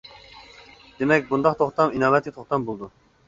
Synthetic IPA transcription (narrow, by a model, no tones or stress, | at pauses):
d̪̥emɛkʲbund̪ɑqt̪ʰoχt̪ɑminɑːvɛt̪̚kʲɛt̪ʰoχt̪ɑmbolˠd̪u